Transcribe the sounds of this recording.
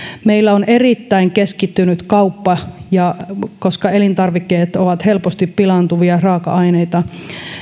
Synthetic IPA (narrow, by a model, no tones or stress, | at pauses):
meilːæonerit̪ːæiŋkeskit̪ːynyt̪kɑupːɑjɑkoskɑelint̪ɑrʋikːeːt̪oʋɑt̪helpost̪ippilɑnt̪uʋiɑrɑːkɑ̰ʔɑineit̪ɑ